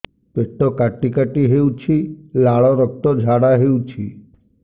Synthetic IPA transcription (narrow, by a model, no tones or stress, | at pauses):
peʈːɔkaʈːikaʈiɦewt͡ʃʰilaɭɔɾɔk̚t̪ɔd͡ʒʱaɽaɦewt͡ʃʰḭ